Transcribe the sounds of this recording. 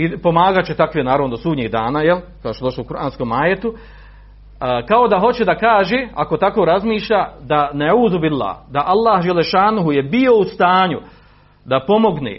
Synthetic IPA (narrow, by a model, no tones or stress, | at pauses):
ipo̞maːɡat͡ʃet̪akʋeːnaːɾaʋnod̪osuːɲiːhd̪aːnaːjelkad̪oʃt͡ʃd̪o̞ʃloukuɾʔaːnskoːmaːjet̪u | kao̞d̪aɦo̞t͡ɕed̪akaːʒeako̞t̪ako̞ːɾazmiːʃʎaːd̪anaʕuːzubilːa̰ːhd̪aʔalˠːaːhd͡ʒelːeʃaːnuɦujebio̞ust̪aːɲu | d̪apo̞mo̞ɡnḛː